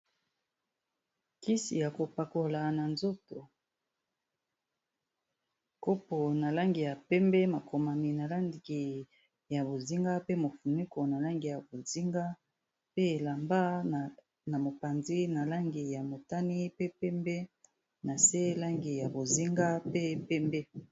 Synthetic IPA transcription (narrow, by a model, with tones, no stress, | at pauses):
ki˦sḭ˨ja˨ko˨pa˨ko˨la˨na˨nzo˦to˨ | ko˦po˨na˨la˦ŋɡi˨ja˨pɛ˦mbɛ˦ma˨kʰo˨ma˨mi˨na˨la˦ndi˨ki˨ | ja˨bo˨zi˦ŋɡa˦pe˦mo˨fu˨nu˦ko˨na˨la˦ŋɡi˨ja˨bo˨zi˦ŋɡa˦ | pe˦˨la˨mba˦˨ | na˨mo˨pa˨nzi˦na˨la˦ŋɡi˨ja˨mo˨ta˦ni˦pe˦pɛ˦mbɛ˦ | na˨se˦la˦ŋɡi˨ja˨bo˨zi˦ŋɡa˦pe˦˨pɛ˦mbɛ˦